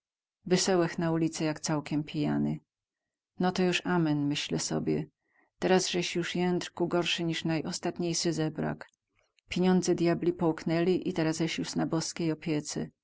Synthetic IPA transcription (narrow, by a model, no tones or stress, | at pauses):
vɛsɛwɛxnaulʲit̪sɛjakt̪sawkʲɛmpʲija̰nɘ | nɔt̪ɔjuʂamɛnmɘɕlɛsɔ̰bʲjɛ̰ | t̪ɛɾazʐɛɕjuʂjɛnt̪ɾkuɡɔɾʂɘɲiʂnajʔɔst̪at̪ɲejʂɘzɛbɾa̰k | pʲjeɲɔnd̪zɛd̪ʲjablʲipɔwknɛlʲiʔit̪ɛɾazɛɕjuʂnabɔskʲejɔpʲjɛt̪sɛ̰